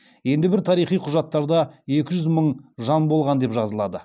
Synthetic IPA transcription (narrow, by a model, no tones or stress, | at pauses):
je̞nd̪ɪbɪɾt̪ʰɑɾijχijqʰʊʒɑt̪ːɑɾd̪ɑje̞kʲɪʒʏzməɴʒɑnbo̞lˠʁɑnd̪e̞pʒɑzəlˠɑd̪ə